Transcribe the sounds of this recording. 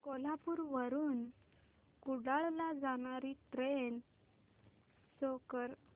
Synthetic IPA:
kolapuːɾʋəɾuːn | kuɽaɭlad͡zaɽ̃aɾiʈɾen | sokəɾ

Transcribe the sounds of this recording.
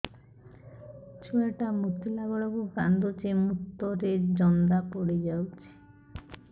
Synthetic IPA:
t͡ɕʰueʈamut̪ːilaɡɔɭokukand̪ʱot͡ɕemut̪ːoɾeɾd͡ʑɔnd̪apoɽed͡ʑawt͡ɕʰe̥

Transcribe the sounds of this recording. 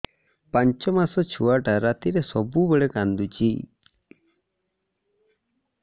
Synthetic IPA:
paɲt͡ʃɔmasɔt͡ʃʰuaʈaɾat̪iɾesɔbubeɭekand̪ut͡ʃi

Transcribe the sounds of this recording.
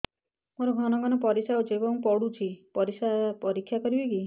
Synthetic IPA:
moɾɔɡʱɔnɔɡʱɔnɔpɔɾisaut͡ʃʰebɔŋpɔɽut͡ʃʰipɔɾisapɔɾikʰːjakɔɾibeki

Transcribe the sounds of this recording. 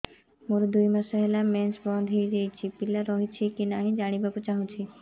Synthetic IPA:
muɾud̪uimasɛɦɛlamɛnsbɔ̃nd̪ʱɦijd͡ʒejt͡ʃʰipilaɾɔɦit͡ʃʰikinaɦĩd͡ʒaːɽ̃ibakut͡ʃaɦũt͡ʃʰi

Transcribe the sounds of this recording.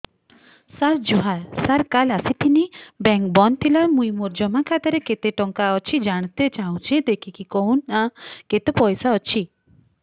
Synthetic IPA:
saɾd͡ʒuɦasaɾkalasit̪inibɛŋk̚bɔnt̪ʰilamujmuɾd͡ʒɔmakʰat̪ɔɾeket̪eʈɔŋkaɔt͡ʃʰid͡ʒaɽ̃t̪et͡ʃaɦw̃t͡ʃʰẽd̪ekʰikikownaket̪epɔjsaɔt͡ʃʰi

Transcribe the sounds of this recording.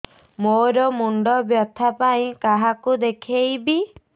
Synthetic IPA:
moɾɔmuɳɖɔbjɔt̪ʰapaĩkaɦakud̪ekʰejbi

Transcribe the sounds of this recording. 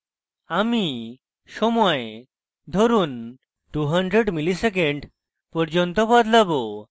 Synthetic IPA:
ami | sɔmɔj | d̪ʱɔɾuːn | ʈuɦəɳɖɾeɽmilisek̬eɳɖ | pɔɾd͡ʑɔnt̪ɔpad̪labo

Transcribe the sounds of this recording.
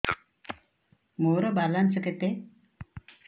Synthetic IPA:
moɾɔbalansəket̪e

